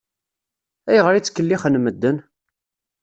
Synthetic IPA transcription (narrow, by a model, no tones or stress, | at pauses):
æjʁəɾit͡sːkːəlːiχənməd̪ːən